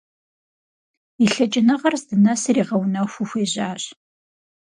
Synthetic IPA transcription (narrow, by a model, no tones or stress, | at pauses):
iɬɐt͡ʃʼɪnɐʁɐrzdɨnɐsɨriːʁɐwnɐxʷʊxʷeːʑaːɕʼ